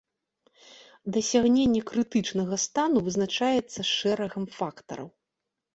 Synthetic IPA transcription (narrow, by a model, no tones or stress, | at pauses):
d̪ɐsʲaɣnʲenʲːɛkɾɨt̪ɨt͡ʂnɐɣɐst̪anuvɨznat͡ʂajɛt̪sːɐʂɛɾɐɣɐmfakt̪ɐ̰ɾɐ̰w